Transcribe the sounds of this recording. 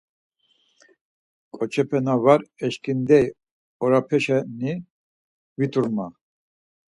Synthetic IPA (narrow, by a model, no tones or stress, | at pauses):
kʼɔt͡ʃʰɛpʰɛnavaɾɛʃkʰʼind̪ɛj | ɔɾapʰɛʃɛni | vit̪ʼuɾma